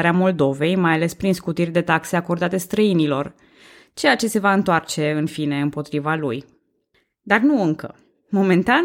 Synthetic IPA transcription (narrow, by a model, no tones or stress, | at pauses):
ɾeamo̞ld̪o̞ve̞jmajale̞spɾinskut̪irʲd̪e̞t̪akse̞ako̞rd̪at̪e̞st̪ɾəinilo̞r | t͡ʃe̞jat͡ʃe̞se̞vaɨnt̪oart͡ʃe̞ɨnfine̞ɨmpo̞t̪ɾivalṵj | d̪arnuɨŋkə̰ | mo̞me̞nt̪a